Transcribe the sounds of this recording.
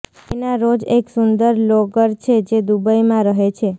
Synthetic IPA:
enaɾod͡ʒeksund̪əɾloɡəɾt͡ʃʰed͡ʒed̪ubəimãɾəɦet͡ʃʰe

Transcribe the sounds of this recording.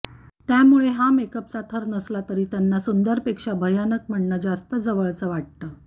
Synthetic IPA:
t̪jamuɭeɦamekəp̚t͡sat̪ʰəɾnəslat̪əɾiːt̪janːasund̪əɾpekʂabʱəjanək̚m̤əɳɳəd͡zast̪əd͡zəʋəɭt͡səʋaʈ̚t̪əː

